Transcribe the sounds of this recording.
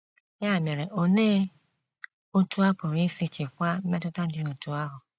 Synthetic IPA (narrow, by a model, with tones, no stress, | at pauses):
ja˦˨me˨ɾe˨ʔo˨neː˦ | o˦tu˦a˦po˨ɾi˦fi˧t͡ʃi˨kʷa˦mɛ˦tʊ˦ta˦di˦o˨tu˦a˦ɦɔ˨